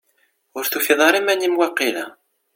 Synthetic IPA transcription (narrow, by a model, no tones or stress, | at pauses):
ʊɾθufiðˤɑɾˤimænimwɑqːilæ̰